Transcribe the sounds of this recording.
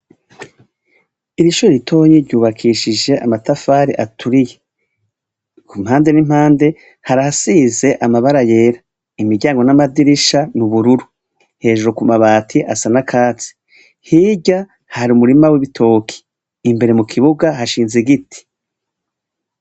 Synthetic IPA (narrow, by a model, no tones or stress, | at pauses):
iɾiʃuɾeɾitʰo̞ːɲiɾɟuːβakʰiːʃid͡ʒe̞ʔa̰matafaːɾiʔatʰuɾije | kumhaːnde̞nim̥haːnde̞ | haɾahasiːze̞ʔamaβaɾaje̞ːɾa | imiɾɟaːŋɡo̞namadiɾiʃanuβuɾuɾu | he̞ːʒuɾokumaβaːtʰiʔasanakʰaːt͡si̥ | hiːɟa | haɾiumuɾimawiβitʰo̞ːkʰi̥ː | mbe̞ɾe̞mukʰiβuɡaɦaʃiːnziɡiti̥